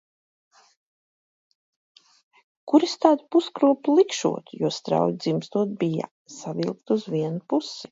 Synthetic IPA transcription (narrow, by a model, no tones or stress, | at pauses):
kuɾist̪aːd̪puskɾuɔplˠikʃṵɔt̪juɔst̪ɾa̰wjd̪zimst̪uɔt̪̚bija̰ | savilˠkt̪uzvʲiɛnupusi̥